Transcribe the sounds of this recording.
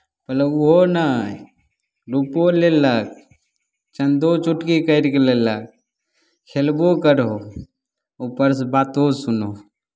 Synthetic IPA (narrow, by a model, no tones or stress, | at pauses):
pəloʊɦona | ɾupolelaːk̚ | t͡ʃənd̪ot͡ʃʊʈkikəɪɾkelelaːk̚ | kʰelbokəɾo | upəɾs̬baːt̪osʊnoː